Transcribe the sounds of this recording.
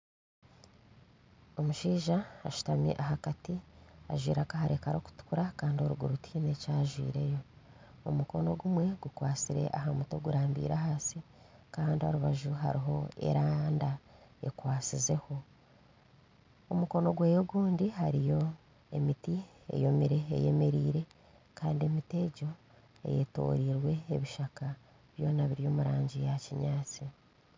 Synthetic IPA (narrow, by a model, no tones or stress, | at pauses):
omuʃiːʒaaʃu̥tamḭʔaɦakatia̰ʒwḭːɾakahaɾe̞kaɾo̞ku̥tu̥kuɾakaːndioɾuɡuɾutʰine̞caːʒwḭːɾe̞jo̞ | omuko̞no̞ɡumwe̞ɡukwaːsiɾe̞̰ʔaɦamuto̞ɡuɾaːmbḭːɾaɦaːsi | kaːndio̞̰ɾuβaʒuɦa̰ɾiɦo̞̰e̞̰ɾaːndae̞̰kwaːt͡size̞ho̞ | omuko̞no̞ɡwe̞ːjoɡuːndihaɾijo̞ | e̞miti | e̞̰jo̞miɾe̞̰ːje̞̰me̞ɾiːɾe̞ | kaːndie̞mite̞ɟo̞ | e̞̰je̞̰to̞̰ːɾiːɾwe̞ːβiʃaka | βjo̞ːnaβiɾjomuɾaːɲɟijaciɲaːt͡si